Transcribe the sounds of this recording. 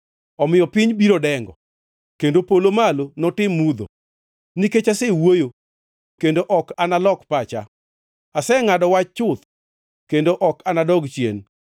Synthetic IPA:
ɔmɪjɔpɪɲbiɾodɛŋɡɔ̰ | kendopolomalonɔtɪmːud̪o̰ | niket͡ʃasewojo | kendoʔɔkanalɔkpat͡ʃa | asɛŋadɔwat͡ʃt͡ʃʊt̪̚ | kendoʔɔkanadɔɡt͡ʃjḛn

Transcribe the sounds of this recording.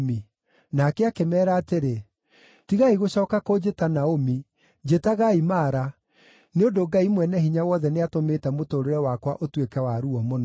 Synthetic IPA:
mi | nakɛakemɛːɾaːteɾe | tiɣaiɣoɕɔːkakod͡ʑetanaomi | d͡ʑetaɣaimaːɾa | neondoɡaimwɛnɛɦiɲawɔðɛneatomeːtɛmotoɾeɾɛwakwa̰ʔotwekɛwaɾuɔmon

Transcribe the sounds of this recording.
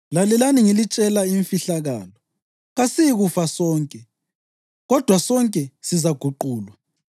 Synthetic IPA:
lalɛlaniŋilit͡ʃʼɛlaiɱfiɬaɣa̰ːlɔ | ɣasijiɣufasɔːŋkʼɛ | ɣɔd̥ʱwasɔŋkʼɛsizaɡ̥ʱuǃuːlwa

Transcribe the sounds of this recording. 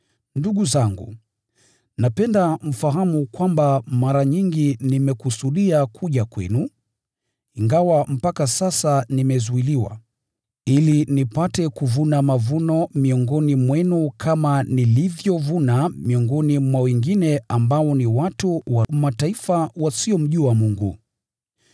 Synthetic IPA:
nduɠuzaŋɡṵ | napɛndam̩faɦamukwambamaɾaɲiŋɡinimɛkusuɗiakʰuʄakwɛ̰nu | iŋɡawam̩pakasasanimɛzuiliwa̰ | ilinipatɛkuvunamavunɔmiɔŋɡɔnimwɛnukʰamanilivjɔvunamiɔŋɡɔnimwawɛŋɡinɛambaɔniwatuwamataifawasiɔm̩ʄuamuŋɡṵ

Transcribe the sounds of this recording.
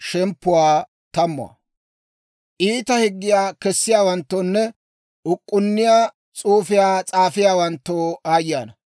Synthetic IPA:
ʃɛmpːʊwaː | t̪ɐmːʊwɐ̰ | ʔiːt̪ɐhɪɡːɪjaːkɛsːɪjaːwɐnt̪ːoːnːɛ | ʊkʼːʊnːɪjaː | t͡sʼuːfɪjaːt͡sʼaːfɪjaːwɐnt̪ːoːaːjja̰ːnɐ

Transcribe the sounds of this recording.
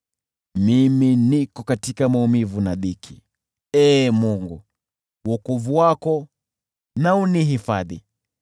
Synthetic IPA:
miminikɔkatikamaumivunaɗikʰi | ɛːmuŋɡu | wɔkɔvuwakɔ | nauniɦifaðḭ

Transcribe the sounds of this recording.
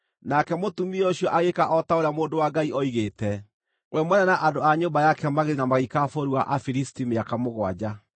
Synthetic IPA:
nakɛmotumiooɕjɔʔaɣekaʔɔtaoɾjamoːndowaɡaiʔɔiɣeːtɛ | wʔɛmwɛnanaʔandoaɲombajakɛmaɣeɾinamaɣikafoɾiwaʔafiɾistimeakamoɣwa̰d͡ʑa

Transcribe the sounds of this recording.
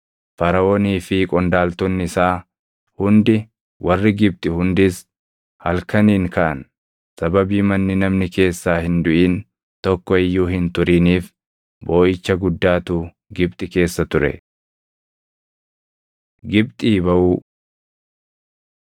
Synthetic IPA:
fɐɾɐʔoːniːfɪkʼɔnd̪aːlt̪ɔnːɪɪsaː | hʊnd̪ɪ | wʔɐrːɪɡɪb̚t̪ʼɪhʊnd̪ɪs | hɐlkɐniːŋkɐʔɐn | sɐbɐbiːmɐnːɪnɐmnɪke̞ːsːaːhɪnd̪ʊʔiːn | t̪ɔkːɔɪjːuːɦɪnt̪ʊɾiːniːf | bo̞ːʔɪt͡ʃːɐɡʊd̪ːaːt̪uː | ɡɪb̚t̪ʼɪke̞ːsːɐt̪ʊɾɛ̰ | ɡɪb̚t̪ʼiːbɐʔuː

